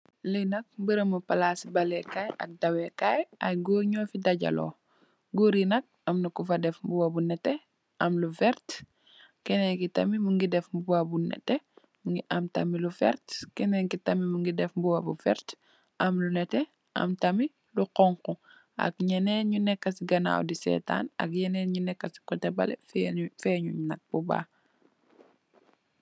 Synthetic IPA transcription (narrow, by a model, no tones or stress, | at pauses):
lijnɐk̚mbəɾɐmupɐlasibɐlɛkajɐ̰k̚dɐwɛkajɐjɡoɲɔfidɐɟɐ̰lɔ̰ː | ɡoɾinɐk̚ɐmnɐkufɐdɛfmbuwɐbunɛtːɛ | ʔɐmlufɛɾt | kɛnɛŋkitɐ̰mimuŋɡidɛfmbuwɐbunɛ̰tːɛ | muŋɡiʔɐmtɐ̰milufɛ̰ɾtkɛnɛŋkitɐmimuŋɡidɛfmbuwɐbufɛ̰ɾt | ʔɐmlunɛtɛ | ɐ̰mtɐmi | luqɔŋku | ʔɐ̰k̚ɲɛnɛɲunɛkːɐsiɡɐna̰ːwdisɛ̰ːta̰ːnɐ̰k̚ɲɛnɛɲunɛkːɐsi̥kɔtɛbɐlɛ̰ffɛɲuɲnɐk̚b̥uba̰ː